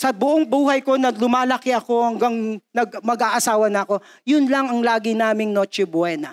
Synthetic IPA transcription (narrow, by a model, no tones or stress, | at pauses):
sɐbʊʔoŋbuːhɐjko̞nɐlʊmaːlɐkɪʔɐko̞hɐŋɡɐŋnɐɡ̚mɐɡaːʔɐsaːwɐnɐɐko̞ | jʊnlɐŋɐŋlaːɡɪnaːmɪŋnoːt͡ʃɛbwɛnɐ